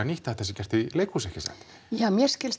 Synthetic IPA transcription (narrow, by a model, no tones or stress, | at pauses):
aniht̪at̪θɛsɪcʲɛr̥t̪ɪlejkːusɛhcɪsa̰nt̪ | jaːmjɛɾscɪls